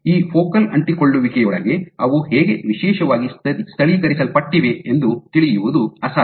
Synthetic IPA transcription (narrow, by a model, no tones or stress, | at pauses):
iːpʰoːkɐlɐɳʈikoɭːuʋikɛjɔɭɐ̰ɡe̞ɐʋuheːɡe̞ʋiʃɛːʃɐʋaːɡist̪ɐist̪ʰɐɭikɐɾisɐlpɐʈːiʋe̞end̪ut̪iɭijuʋud̪uɐsa